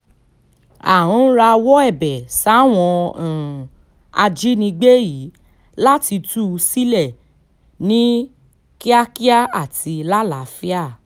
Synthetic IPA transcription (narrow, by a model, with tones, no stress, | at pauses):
a̰˨ɾ̃ũ˨˦ɾa˧wɔ˦ɛ˦˨bɛ˨sa˦w̃ɔ̃˧˨ | a˧d͡ʒi˦nĩ˧ɡ͡be˦ji˨˦ | la˦ti˧tu˦˧si˦lɛ˦˨ | nĩ˦ | ki˦a˦ki˦a˦a˦˨ti˧la˦la˨˦fi˦a˦˨